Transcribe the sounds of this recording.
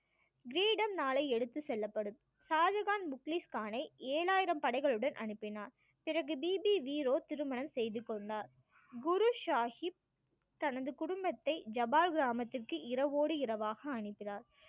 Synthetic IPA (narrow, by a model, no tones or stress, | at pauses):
ɡɾiːɖɐmnaːlɐɪɛɽɯt̪ːɯsɛlːɐpːɐɽɯm | saːd͡ʒɐɣaːnmʊkliskaːnɐɪʔeːɭaːjɪɾɐmpɐɽɐɪɣɐɭɯɽɐnʔɐ̰ɳɯpːɪnaːɾ | pɪrɐɣɯbiːbiʋiːɾoːt̪ɪɾɯmɐnɐmsɛjðɯkːɔɳɖaːɾ | ɡʊɾuʃaːhɪp̚ | t̪ɐnɐðɯkʊɽʊmbɐt̪ːɐɪd͡ʒɐbaːlɡɪɾaːmɐt̪ːɪrkɯʔɪɾɐʋoːɽɯɪɾɐʋaːɣɐɐɳɪpːɪnaːɾ